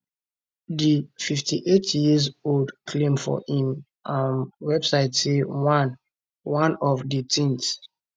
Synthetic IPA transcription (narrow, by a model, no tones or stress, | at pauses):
dififtʰiʔetjizoldkʰlẽmfɔ̰hĩm | ʔãnwɛbsaɪtsewãn | wãnɔvditʰĩns